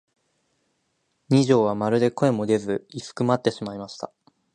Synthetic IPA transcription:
ɲ̟iʑo̞ːβ̞amaɾɯ̟d̪e̞ko̞e̞mo̞d̪e̞zɨisɨ̥kɯ̟mat̪ːe̞ɕimaimaɕi̥t̪a̰

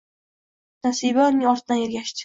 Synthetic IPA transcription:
nasiːbanɪŋɒɾt̪ʰɪd̪aneɾɡʲaʃt̪ɪ̥

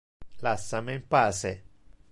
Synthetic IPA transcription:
lasːamempaːse

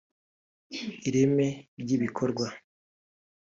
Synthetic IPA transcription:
iɾe̞me̞ɾɟiβikʰo̞ɾɡwa

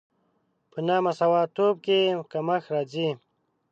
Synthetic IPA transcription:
pənaːmasɐwaːt̪oːb̚kekamaxɾaːd͡zi

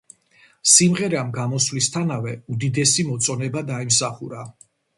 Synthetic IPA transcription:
simʁɛɾamɡamɔslist̪ʰanavɛud̪id̪ɛsimɔt̪sʼɔnɛbad̪aimsaχuɾa

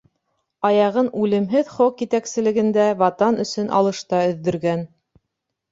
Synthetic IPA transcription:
ɑjɑʁɤnʉlɘ̆mɦɘðχokjit̪æksɘ̆lɘ̆ɡɘ̆nd̪ævɑt̪ɑnɵ̆sɵnʔɑ̰lˠɤ̆ʃt̪ɑɵ̆ðːɵ̆ɾɡæn

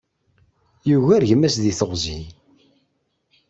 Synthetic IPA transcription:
juʝæɾʝəmæsðiθəʁzi

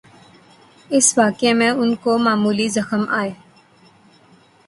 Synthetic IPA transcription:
ɪsʋaːkemẽʊnkomaːmuːlizɐxəmaːeː

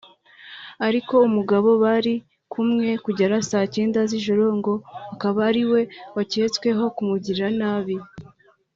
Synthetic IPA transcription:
aɾiko̞umuɡaβo̞βaɾi | kʰumŋe̞kuɟaɾasaːceːndaziʒoɾo̞ŋɡo̞akaβaːɾiwe̞wace̞t͡skwe̞ɦo̞kumuɟiɾɾanaːβi

